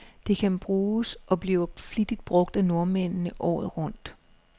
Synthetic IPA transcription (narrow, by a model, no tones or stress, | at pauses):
d̥e̝kʰænb̥ʁuːsʔɒ̽b̥liːʊflid̥id̥̚b̥ʁɔ̽ɡ̥̚d̥æno̝ɐmen̰nəʔɒ̰ːð̩ˠʁɔ̽n̰d̥